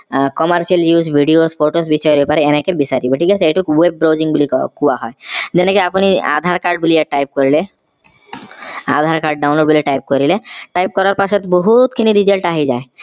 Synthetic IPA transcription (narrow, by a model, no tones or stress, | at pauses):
kɔmaɾsialjusbʱiɖiosfoʈosbisɔjɾepaɾeenekebisaɾibɔʈʰikaseejʈuwebːɾowd͡ʑiŋbulikkuwaɦɔed͡ʒenekeapunia̰d̪ʱaɾkaɾɖ̚buliaʈajp̚koɾile | a̰d̪ʱaɾkaɾɖ̚ɖawnloɖbuliʈajp̚koɾileʈajp̚kɔɾaɾpaʃɔt̪eboɦut̪kʰiniɾizalʈaɦid͡ʑae